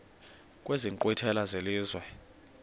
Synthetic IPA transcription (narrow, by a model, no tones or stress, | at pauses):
kʼweziŋǃʼwitʰɛlazeliːzwɛ